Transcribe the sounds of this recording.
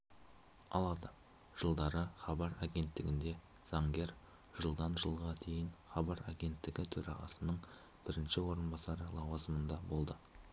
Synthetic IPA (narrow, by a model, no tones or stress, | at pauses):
ɑ̰lˠɑd̪ə | ʒ̥əlˠd̪ɑɾəχɑbɑɾaɡʲe̞nt̪ːɪɡʲɪnd̪e̞ | z̥ɑŋɡʲe̞ɾ | ʒ̥əlˠd̪ɑnʒəlˠʁɑd̪ʰe̞jɪɴχɑbɑɾaɡʲe̞nt̪ːɪɡʲɪt̪ʰɵɾɑʁɑ̰sənəɴ | b̥ɪɾɪnʃɪwo̞ɾənbɑsɑɾəlˠɑwɑzəmənd̪ɑbo̞lˠd̪ə